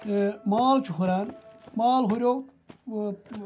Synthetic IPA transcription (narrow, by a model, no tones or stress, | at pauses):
maːlt͡ʃʰuɦuɾaːnmaːlɦuɾjoː